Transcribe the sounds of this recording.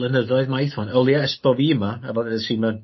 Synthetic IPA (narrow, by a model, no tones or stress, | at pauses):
lənəðɔɨðmajθɔnəlˠjaɛspɔvimaavɔdɛəsiːmɛn